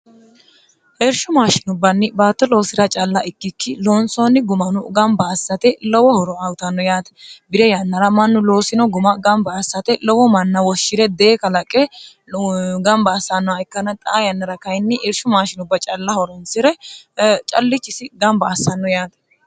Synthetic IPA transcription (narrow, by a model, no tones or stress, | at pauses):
ʔɛɾʃʊmaːʃɪnʊbːɐnːɪbaːt̪ːɔlo̞ːsɪɾɐt͡ʃʼɐlːɐɪkːɪkːɪlo̞ːnsoːnːɪɡʊmɐnʊɡɐmbɐːsːɐt̪ɛlɔwɔhɔɾɔɐwʊt̪ɐnːɔjaːt̪ɛ̥bɪɾɛjɐnːɐɾɐmɐnːʊlo̞ːsɪnɔɡʊmɐɡɐmbɐːsːɐt̪ɛlɔwɔmɐnːɐwɔʃːɪɾɛd̪eːkɐlɐkʼːɛ | ɡɐmbɐːsːɐnːɔɐɪkːɐnɐt̪ʼɐʔːjɐnːɐɾɐkɐjnːɪʔeɾʃʊmaːʃɪnʊbːɐt͡ʃʼɐlːɐhɔɾɔnsɪɾɛ | t͡ʃʼɐ̰lːɪt͡ʃːɪsɪɡɐmbɐːsːɐnːɔjaːt̪